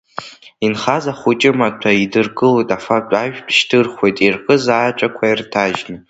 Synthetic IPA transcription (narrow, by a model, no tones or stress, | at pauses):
inχazaχʷʊt͡ʃʼɪmatʷʰaidɨrɡɨlojtʼafakʷʼaʒᶣpʰʃtʰɨrχʷwe̞jtʼirqʼɨzaːt͡ʃʷʼakʷʰairtʰaʒnɨ